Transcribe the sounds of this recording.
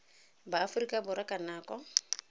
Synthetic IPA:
baːfʊrikʼabʊɾakʼanaːkʼɔ

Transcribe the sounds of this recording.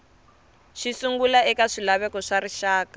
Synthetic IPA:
ʃisuŋɡulaɛkaʂilaβɛkɔʂaɾiʃaːkḁ

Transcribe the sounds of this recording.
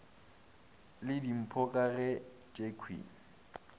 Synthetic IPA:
lɪdim̩pʰɔkʼarɛ | t͡ʃʼekʰwḭːŋ̩

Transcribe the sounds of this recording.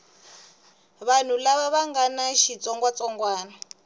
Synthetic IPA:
βan̤ulaβaβaŋɡanaʃit͡sɔŋɡwat͡sɔŋɡwaːna

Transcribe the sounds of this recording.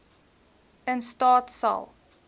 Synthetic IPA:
ənstɑːtsa̰lˠ

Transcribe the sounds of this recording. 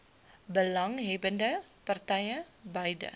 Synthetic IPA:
bəlaŋɦebəndəpərt̪ajə | bajdə̰

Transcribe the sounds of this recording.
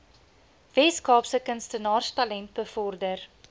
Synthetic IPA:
vɛskɑːpsəkənstənɑːrstɐlɛnt̚bəfɔrdər

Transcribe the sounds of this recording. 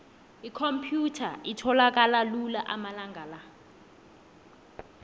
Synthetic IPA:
ikʰompʰjutʰa̰itʰɔlak̬ʼalalulaʔamalaŋɡʱala

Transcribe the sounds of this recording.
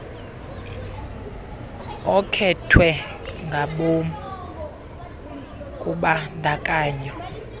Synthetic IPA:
ɔkʰɛtʰwɛŋɡʱaɓom | kʼuɓandʱakʼaːɲɔ

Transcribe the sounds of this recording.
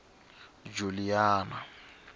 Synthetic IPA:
d͡ʒuliaːna

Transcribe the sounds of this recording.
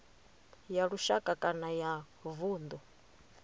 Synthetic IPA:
jaɺuʃakʼakʼanaja | vuːnd̪ɔ

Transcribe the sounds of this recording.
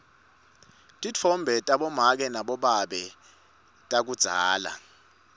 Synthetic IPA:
tʼit͡fʰɔmbʱɛtʼaɓɔmak̬ɛnaɓɔɓaɓɛ | tʼak̬ud̥z̥ʱaːla̰

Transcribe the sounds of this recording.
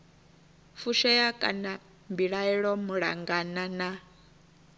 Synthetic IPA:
fuʃɛjakʼa̰na | mbiɺaɛɺɔmuɺa̰ŋɡanana

